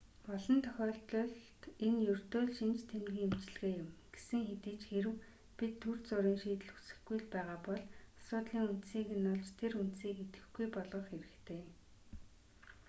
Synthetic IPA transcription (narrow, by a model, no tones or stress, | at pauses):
pɔɮɞ̆nt̪ʰœ̥xʲɔːɬt̪ɮɞ̆ɮt̪enjɵr̥t̪oːɮʃint͡ɕt̪ʰemɡĭːŋemt͡ɕɪ̆ɮɣeːjʊmɡ̥esɘ̆ŋxet̪iːt͡ɕxeɾɘ̆w | pit̪ʰːur̥t͡sʊɾiːŋʃiːt̪̆ɮu̥sɘ̆xɡujɮpæːʁaːpɔɮḁsʊːt̪ɮiːŋunt̪siːkenːʊɮt͡ɕt̪ʰeɾunt̪siːket̪ɘ̥̆xɡujpɔɮʁɞ̆χxeɾɘ̆kt̪ʰeː